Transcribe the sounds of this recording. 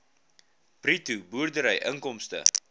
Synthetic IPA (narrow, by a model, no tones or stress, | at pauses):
pritubuərdəɾəjʔəŋkɔmstə̰